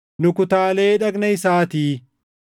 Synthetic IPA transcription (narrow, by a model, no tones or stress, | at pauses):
nʊkʊt̪aːle̞ːᶑɐɡnɐɪsaːt̪iː